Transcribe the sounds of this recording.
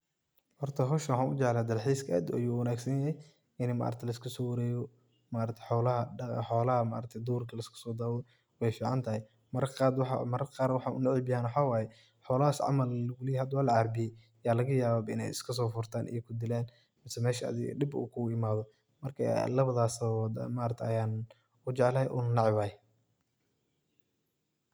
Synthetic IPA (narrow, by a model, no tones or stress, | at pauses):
hɔrt̪ʰɐɦɔʃɐwħɑːnʔʊd͡ʒɛʕlaːd̪ɐrħiːskʰɐɛ̰d̪ʔɐ̰juːwɐnaːɡsɐnjɐɦɛj | ʔɪnma̰ːɾɐt̪ʰɛlɐskʰɐsɔːwɐɾɛːjɔ | maːɾɐt̪ʰɛ̥ħɔːlɐɦɐħɔːlɐhɐma̰ːɾɐt̪ʰɛd̪uːrkʰɐlɐɪskʰɐ̥sɔːd̪aːwɔ | wɛjfiːʕɑnt̪ʰɐhɪj | mɐɾqad̪w̰mɐɾɐqaːɾwɑħɑnʊ̰nɐʕiːbɪjaːnwħaːwaːjɛ | ħɔːlɐɦaːsʕɑ̰mɐllɐɣʊlijhɐd̪ɐwaːlɐʕɑɾbɪjɛ | jaːlɐɣɐjaːβabɐɪnɛ̰jɪ̰skʰɐs̬ɔːfʊrt̪ʰaːnʔḭjɛkʰʊd̪ɪlɛːn | mɪsɛmɛːʃɐɐ̰ðɪ̰ɖɪbṵːkʰʊɡʊɪmaːðɔ | mɐrkʰɐ̰lɐβɐðaːsɔmaːɾɐt̪ʰɐjaːn | ʊd͡ʒɛʕlɐhɛjʔʊ̰nnɑʕɪwaːj